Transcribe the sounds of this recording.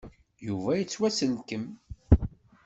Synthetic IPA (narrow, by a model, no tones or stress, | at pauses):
juvæjət͡sːwæsəlkəm